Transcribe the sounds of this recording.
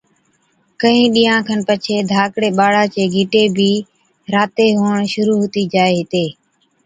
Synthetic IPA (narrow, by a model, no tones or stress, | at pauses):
kəɦĩːɗiːjãːkʰənpət͡ʃʰeːd̪ʱaːkɽeːɓaːɽaːt͡ʃeːɡʱɪʈeːbʱiː | ɾaːt̪eːɦoːɳʃʊɾuːɦʊːt̪iːd͡ʒaːeːɦɪt̪eː